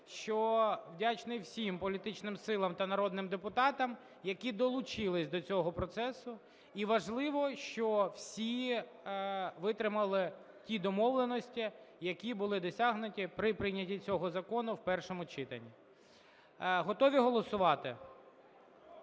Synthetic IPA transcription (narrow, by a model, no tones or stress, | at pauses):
ʃt͡ʃɔwdʲat͡ʃnɪwsʲimpɔlʲit̪ɪt͡ʃnɪmsɪlˠɐmt̪ɐnɐɾɔd̪nɪmd̪epʊt̪ɑt̪ɐm | jɐkʲid̪ɔlˠʊt͡ʃɪlˠɪsʲd̪ɔt͡sʲɔɦɔpɾɔt̪sɛsʊ | iʋɐʒlˠɪʋɔʃt͡ʃɔw̥sʲi | ʋɪt̪ɾɪmɐlˠɪ | tʲid̪ɔmɔʋlˠenɔsʲtʲijɐkʲibʊlˠɪd̪ɔsʲaɦnʊtʲipɾɪpɾɪnʲɐtʲit͡sʲɔɦɔzɐkɔnʊwpɛrʃɔmʊt͡ʃɪt̪ɐ̰nʲːi | ɦɔt̪ɔʋʲiɦɔlˠɔsʊʋɑt̪ɪ